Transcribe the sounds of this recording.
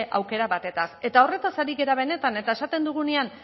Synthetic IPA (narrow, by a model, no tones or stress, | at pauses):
ʔawke̞ɾaβat̪e̞t̪ase̞t̪ao̞re̞t̪asaɾiɣe̞ɾaβ̞e̞ne̞t̪ane̞t̪ae̞sat̪e̞nd̪uɣ̞unean